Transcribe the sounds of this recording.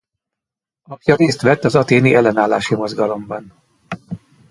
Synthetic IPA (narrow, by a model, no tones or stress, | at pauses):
ɒpjɒɾeːst̪ʋɛt̪ːɒzɒt̪eːniʔɛlːɛnaːlːa̰ːʃimo̞zɡɒlo̞mbɒn